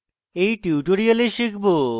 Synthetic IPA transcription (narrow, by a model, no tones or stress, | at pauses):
ejʈiwʈoɾialeʃikʰbo